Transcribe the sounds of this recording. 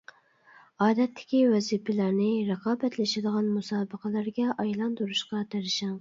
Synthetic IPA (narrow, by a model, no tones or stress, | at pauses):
ɑːd̪ɛt̪ʰːɪ̥kʲiwɛzipʰɪlæɾnɪɾəqɑːbɛt̪lɪʃɪd̪əʁɑnmusɑːbəqʰəlˠæɾɡʲɛʔɑjlˠɑnd̪uɾuʃqɑt̪eɾɪʃɑŋ